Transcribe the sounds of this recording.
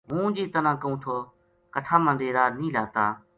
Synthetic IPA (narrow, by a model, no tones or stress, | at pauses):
ɦũːd͡ʒiːt̪ənãːkəũːt̪ʰoː | kəʈʰaːmə̃ːɖeːɾaːnĩːlaːt̪aː